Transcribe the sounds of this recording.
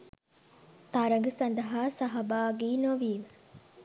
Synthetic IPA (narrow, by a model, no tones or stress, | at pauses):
t̪aɾɐŋɡəsɐnd̪əɦasɐɦabaːɡiːnoʋiːʋə